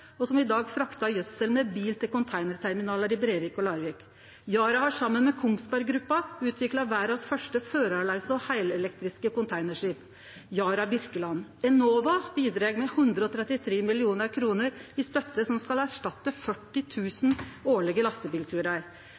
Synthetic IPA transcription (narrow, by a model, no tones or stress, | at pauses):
ɔsɔmɪd̪ɑːɡfɾɑkt̪ɑjœt̪səlmɛbiːlt̪ʰɪlkʊnt̪ʰæɪnəɾt̪ʰæɾmɪnɑːləɾɪbɾeːʋɪkɔlɑːɾʋɪːk | jɑːɾɑhɑʂɑmːənmɛkʰʊŋst̪bæɾɡɾʉpːɑʉːt̪ʰʋɪklɑʋæːɾɑsfœʂʈəføːɾɑlɑɪsəɔhæɪlɛlɛkt̪ɾɪskəkʊnt̪ʰæɪnəʂiːp | jɑːɾɑbʏɾkəlɑnɛnoːʋɑbiːd̪ɾeːɡmɛhʉnd̪ɾəɔt̪ʰɾɛt̪ːɪt̪ʰɾeːmɪlɪuːnəɾkʰɾuːnəɾɪst̪œt̪ːəsɔmskɑlæʂʈɑt̪ːəfœʈːɪt̪ʰʉːsnoːɭɪɡəlɑst̪əbiːlt̪ʰʉːɾɑɾ